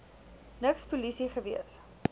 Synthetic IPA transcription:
nəkspulisiχəviəs

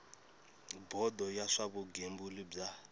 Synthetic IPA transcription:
bɔd̪ɔjaʂaβuɡembulib͡ʐa

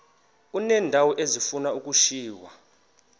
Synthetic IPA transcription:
unɛːndʱawɔʔezifunaukʼuʃiːwa

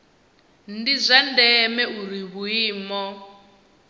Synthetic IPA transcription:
ndizʷandɛmɛuɾiβuiːmɔ

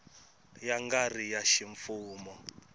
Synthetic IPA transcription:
jaŋɡarijaʃiɱfuːmɔ

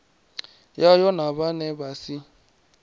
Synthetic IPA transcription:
jajɔnaβanebasi

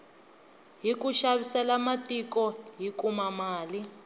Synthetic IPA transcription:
ɦikuʃaβisɛlamatikɔɦikumamaːli

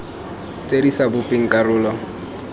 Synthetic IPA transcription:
t͡sʼedisabʊpʼɪŋ̩kʼarʊːlɔ

